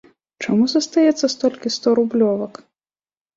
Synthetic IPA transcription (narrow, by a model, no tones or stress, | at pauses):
t͡ʂamuzɐst̪ajɛt̪sːɐst̪ɔlʲkʲist̪ɔɾublʲɔvɐk